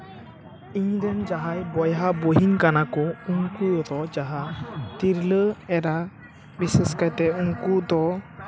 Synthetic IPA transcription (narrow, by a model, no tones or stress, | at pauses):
iɲd̪ɛnd͡ʒaɦajbɔjɦaboɦiɲkanakɔuŋkud̪ɔd͡ʒaɦat̪iɾləɛɾa | bisɛskajt̪ɛuŋkud̪ɔ